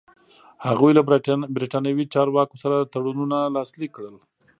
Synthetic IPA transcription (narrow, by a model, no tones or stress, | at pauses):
haɣujlabɾiʈɑnjawit͡ʃɑɾwɑkosaɾat̪aɽununalɑslikːɽəl